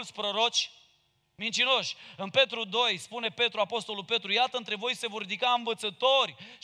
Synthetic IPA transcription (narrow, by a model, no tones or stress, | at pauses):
lt̪sʲpɾo̞ɾo̞t͡ʃʲ | mint͡ʃino̞ʃʲɨnpe̞t̪ɾud̪o̞jspune̞pe̞t̪ɾuapo̞st̪o̞lulpe̞t̪ɾujat̪əɨnt̪ɾe̞vo̞jse̞vo̞rːid̪ikaɨɱvət̪sət̪o̞rʲ